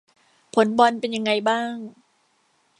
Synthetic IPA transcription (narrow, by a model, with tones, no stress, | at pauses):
pʰo˨˦nbɔ˧npe˧nja˧ŋːa˧jbaː˥˩ŋ